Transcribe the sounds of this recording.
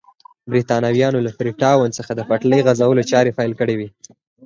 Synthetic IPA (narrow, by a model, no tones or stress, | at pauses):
bɾit̪ɑnawjɑnolafɾiʈɑwant͡səxad̪əfaʈləjɣazawəlot͡ʃɑɾefɑjlkəɽewi